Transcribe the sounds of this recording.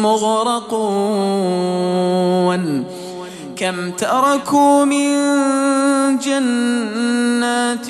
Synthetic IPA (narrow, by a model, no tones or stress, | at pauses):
mʊɣɾɑqː | n | kamt̪aʔɾˤɑkuːmɪn | d͡ʒanː | aːt̪